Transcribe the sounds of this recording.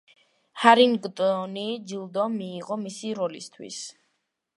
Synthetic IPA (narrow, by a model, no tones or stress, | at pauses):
haɾinɡt̪ʼɔnid͡ʒilˠd̪ɔmiːʁɔmisiɾɔlḭst̪ʰwḭs